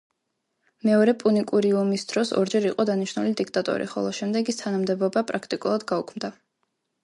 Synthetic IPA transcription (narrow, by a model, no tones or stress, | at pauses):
mɛɔɾɛpʼunikʼuɾiɔmisd̪̥ɾɔsɔ̰ɾd͡ʒɛɾiqʼɔd̪aniʃnulid̪ik̚ʰt̪ʼat̪ʼɔ̰ɾḭχɔ̰lˠɔʃɛmd̪ɛɡist̪ʰanamd̪ɛbɔbapʼɾakʰt̪ʼikʼulˠad̪ɡaukʰmd̪a